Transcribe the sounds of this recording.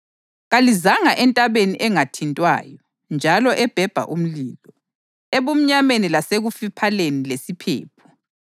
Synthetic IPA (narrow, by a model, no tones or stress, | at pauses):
ɣalizaŋaʔɛntʼaβeniʔɛŋatʰintʼwa̰ːjɔ | nd͡ʒʱalɔʔɛb̥ʱɛb̥ʱa̰ʔum̩liːlɔ | eβum̩ɲamenilaseɣufipʰalenilesipʰḛːpʰu̥